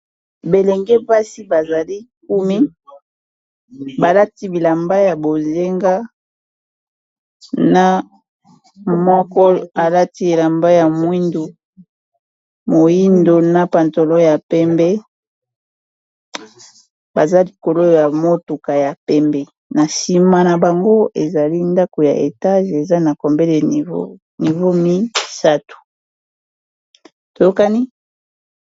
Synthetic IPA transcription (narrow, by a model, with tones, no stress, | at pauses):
be˨lɛ˨ŋɡɛ˦pa˦si˦ba˨za˨li˦k̚u˦mi˦ | ba˨la˦ti˦bi˨la˨mba˦ja˨bo˨ze˦ŋɡa˦ | na˦ | mɔ˦kɔ˦a˨la˦ti˦e˨la˨mba˦ja˨mwi˦ndo˨ | mo˨ji˦ndo˨na˦pa˨nto˨lo˦ja˨pɛ˦mbɛ˦ | ba˨za˦li˨ko˨lo˦ja˨mo˦tu˨ka˨ja˨pɛ˦mbɛ˦ | na˨si˦ma˦na˨ba˨ŋɡo˦e˨za˨li˦nda˦ko˨ja˨ʔe˨ta˦ʒe˨za˦na˨kɔ˨mbɛ˦le˨vo̰˦ | ni˨vo˦mi˦sa˦tu̥˨ | to˨jo˦ka˦ni˦